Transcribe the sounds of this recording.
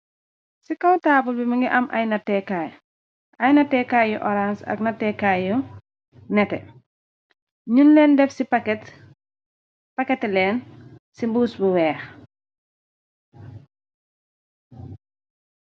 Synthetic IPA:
sikɐwtaːbulbimɐŋɡiʔɐmʔɐ̰jnɐtɛkaj | ɐjnɐtɛkajjuʔɔɾansɐ̰knɐtːɛkajju | nɛtɛ | ɲunlɛːndɛfsipkt | pɐkɛtlɛːnsimbuːsbuwɛːx

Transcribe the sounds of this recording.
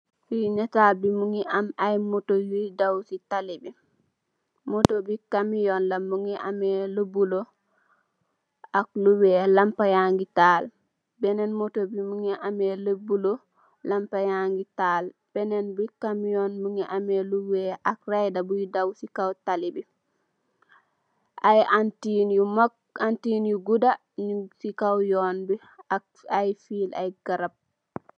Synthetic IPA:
fiɲɛtabimuŋiʔamajmotojujdawsitalibi | motobikamijɔnlamːuŋiʔa̰mɛləbulɔ | akluwɛːlampajaŋɡitaːl | bɛnɛnmotobimuŋiʔamɛləbulɔ | lampajaŋɡitaːlb̥ɛnɛnbikamjonmuŋɛʔameluweʔak̚rajdabujidawsikawtalibi | ʔajantinjumak | antinjuɡuda | nisikawjoːnbi | ajfiːla̰jɡ̥aɾab̚

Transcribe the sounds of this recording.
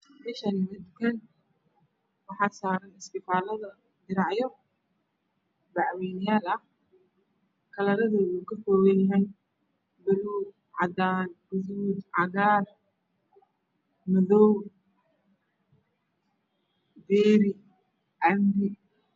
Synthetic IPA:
bɪʃɐnɪmɪd̪kʰɐn | wɑħɑːsaːɾɐnɪst̪ɪfaːlɐðɐ | d̪ɪɾɑʕjɔ | bɑʕwiːnɪjaːlɐh | kʰɐlɐɾɐðɛːuːkʰɐfɔːɣɛjɦɛj | bʊluːd̪ | ʕɑd̪aːnɡʊðuːd̪ʕɑɣaːr | mɐðɔw | d̪ɛːɾɪ | ʕɑmɾɪ

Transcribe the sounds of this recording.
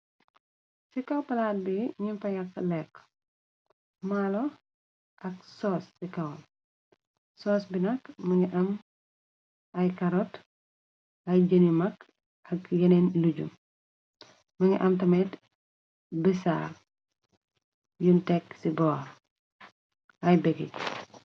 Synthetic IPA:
sikɐwpɐlat̚biɲimfɐjɐkːlɛk | malɔ | ʔɐk̚sɔːsːikɐw | sɔːsbinɐkmɐŋɡiʔɐm | ʔɐjkɐɾɔt | mɐjd͡ʒɐnimɐk | ʔɐkjɐnenluɟṵm | mɐŋḭʔɐmtɐmɛt | bisa̰l | juntɛksibɔːɾ | ʔɐjbɛɡic

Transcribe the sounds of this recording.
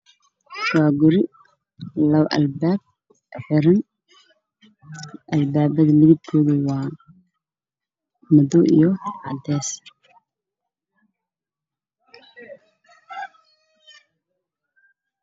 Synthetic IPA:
ʃwaːɡʊɾɪ | lɐwʔɐ̰lbaːb̚ | ħɪɾɪn | ʔɐlbaːbɐðɐmɪðɪb̚kʰɔːðɐwaː | mɐd̪ɔʔḭjɔʕɑd̪ɛːs

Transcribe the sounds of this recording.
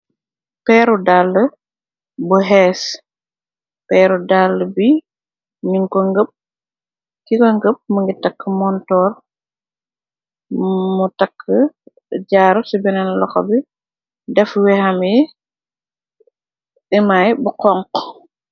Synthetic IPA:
pɛːɾudalːə | buɦɛːs | pɛːɾudalːəbi | miŋkɔŋɡəp̚ | kikɔŋɡəp̚muŋɡitakːəmɔntɔːr | mutakʰːə | ɟaːɾusibɛnanlɔxɔ̰bi | dɛfwɛhamɛ | ɛmajbukɔŋk

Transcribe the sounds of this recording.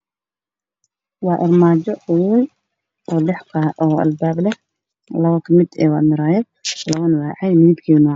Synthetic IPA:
wɑːʔɪrmaːd͡ʒɔʊwin | ɔːlɛħkʰaɔːɐ̰lbaːblɛ | lɐwɐkʰɐmɪd̪ɛ̰ːwaːmɪɾaːjɛb̚ | lɐwɐnwaːʕɛjmɪðibkʰiːnʊ

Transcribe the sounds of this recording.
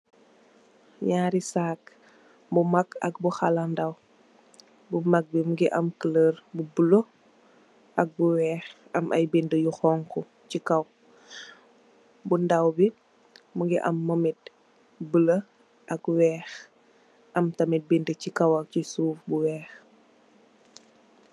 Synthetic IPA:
ɲaːɾisaːk | mumakɐ̰k̚buxalandɐw | bumak̚bimuɡiʔɐmkələrbubulo | ʔɐk̚buwɛːx | ɐmʔɐ̰jbindəjuxɔːŋkɔ | cikɐw | bundɐwbi | muɡiʔɐ̰mːɔmit̚ | bələ | ʔɐkwɛːx | ʔɐmtɐmit̚bindəcikɐwɐcisuːfbuwɛːx

